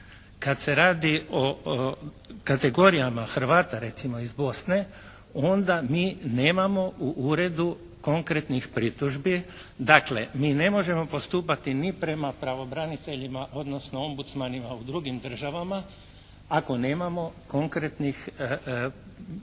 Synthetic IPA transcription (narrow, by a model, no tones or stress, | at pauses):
kad̪se̞ɾaːd̪io | kat̪e̞ɡo̞ɾijamaxɾ̩ʋaːt̪aɾe̞t̪simo̞izbo̞sne̞ | o̞nd̪amiːne̞ːmamo̞ʔuʔuɾe̞d̪u | ko̞ŋkɾe̞t̪nixpɾit̪uʒbid̪akle̞̰miːne̞mo̞ʒe̞mo̞po̞st̪uːpat̪inipɾe̞mapɾaʋo̞bɾanit̪e̞ʎimaʔo̞d̪no̞sno̞o̞mbut̪smanimaud̪ɾuɡimd̪r̩ʒaʋama | ako̞ne̞ːmamo̞ko̞ŋkɾe̞t̪nix